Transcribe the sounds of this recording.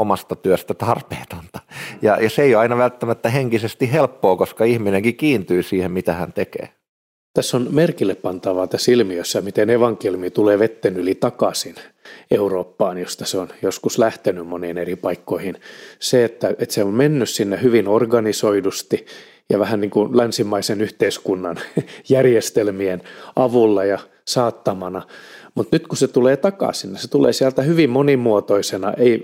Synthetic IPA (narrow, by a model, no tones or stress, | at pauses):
omɑst̪ɑt̪yøst̪æt̪ɑrpeːt̪ont̪ɑ̥jɑ̰jɑseeijoɑinɑʋælt̪ːæmæt̪ːæheŋkisest̪ihhelpːoːkoskɑihmineŋkikiːnt̪yːsiːhemmit̪æhæ̰nt̪ekḛː | t̪æsːonmerkilːeppɑnt̪ɑʋɑːt̪æsilmiøsːæmit̪eneʋɑŋkelimit̪uleːʋet̪ːenylit̪ɑkɑsineuroːpːɑːnjost̪ɑseonjoskuslæht̪enymmoneːneripɑikːoihinseet̪ːæet̪seommenːyssinːehyʋinorɡɑnisoidust̪i | jɑʋæhænniːŋkunlænsimːɑisenyht̪eiskunːɑnjærjest̪elmienʔɑʋulːɑjɑ | sɑːt̪ːɑmɑnɑmut̪nyt̪kuset̪uleːt̪ɑkɑ̰sinniset̪ulḛːsiælt̪æhyʋimmonimuot̪oisenɑ̰ʔei